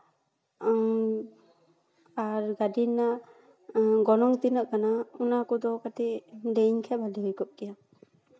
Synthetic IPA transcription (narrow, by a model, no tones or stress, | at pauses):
aɾɡadinːa | ɡɔnɔŋt̪inaʔkanaunakɔd̪ɔkat̪idejɲkʰɛbaliɾikɔp̚kija